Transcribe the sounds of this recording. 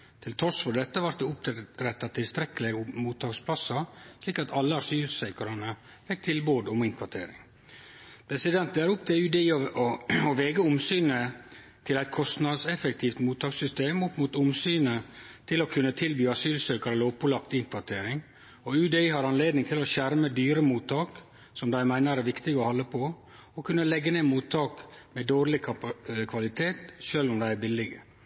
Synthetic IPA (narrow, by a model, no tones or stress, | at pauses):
t̪ʰɪlt̪ʰɔʂfɔɖ̪ɛt̪ːəʋɑɾt̪̚d̪eʊp̪̚ɾɛt̪ːɑt̪ʰɪlst̪ɾɛklɪmuːt̪ʰːɑːkspʰlɑsːɑʂliːkɑt̪ʰɑlːəɑsyːlsœʏkəɾɑnə | fɪk̚t̪ʰɪlboːd̪ɔmɪŋkʰʋɑʈ̪ʰeːɾɪ̰ŋ | pʰɾɛsɪd̪ɛnt̪æɾʊp̚t̪ʰɛʉːd̪eiːɔɔɔʋeːɡəʊmsyːnə | t̪ʰɪlæɪt̪̚kʰɔst̪nɑd̪sɛfəkt̪ʰiːft̪muːt̪ʰːɑːksʏst̪eːmʊpːmuːt̪ʊmsyːnət̪ʰɪlɔkʰʉnːət̪ʰɪlbyːɑsyːlsøːkɑɾəloːpʊlɑpt̪ɪŋkʰʋɑt̪ʰeːɾɪŋ | ɔʉːd̪eiːhɑɾɑnleːd̪nɪŋt̪ʰɪlɔɕæɾməd̪yːɾəmuːt̪ʰːɑːk | sɔmd̪æɪmæɪnəɾæɾʋɪkt̪ɪɡəɔhɔlːəpʰo | ɔkʰʉnːəlɛɡːəneːmuːt̪ʰːɑːkmɛd̪oːɾlɪkʰkʰʋɑlɪt̪ʰeːt̪ʃøːlʊmd̪æɪæbɪlːɪɡə